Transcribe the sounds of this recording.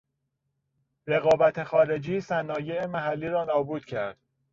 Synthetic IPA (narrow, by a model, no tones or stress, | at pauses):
ɾe̞ɣɒːbæt̪ʰexɒːɾe̞d͡ʒiːsænɒːjeemæɦælːiːɾɒːnɒːbuːd̪̥cʰæɾd̪̥